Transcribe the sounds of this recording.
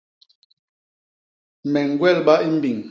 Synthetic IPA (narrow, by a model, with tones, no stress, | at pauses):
mɛ˨ŋ˨ɡwɛ˦˨lɓa˦i˦m̩˦bi˨ŋ